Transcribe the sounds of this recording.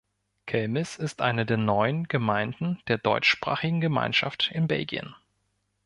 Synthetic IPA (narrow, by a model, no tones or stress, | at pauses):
kʰɛlmɪsɪstʔa̰ɪnədeːɐnɔʏənɡ̥əmaɪndn̩d̥eːɐdɔ̰ʏt͡ʃʃpʁ̥a̰ːχɪɡŋ̩ɡəma̰ɪnʃaftɪnbɛ̰lɡḭə̰n